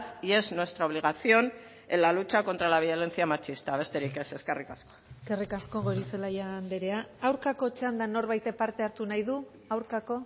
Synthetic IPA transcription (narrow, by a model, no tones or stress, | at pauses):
tie̞znwe̞st̪ɾaoβliɣasio̞n | elalut͡ʃako̞nt̪ɾalaβ̞io̞le̞nt͡siamat͡ʃist̪aβe̞st̪e̞ɾike̞se̞skerikasko̥eske̞rikasko̞ɣo̞ɾise̞laʝand̪eɾe̞aawɾkako̞t͡ʃand̪ano̞ɾβajt̪epaɾt̪e̞aɾt̪unajðu | awɾkako̞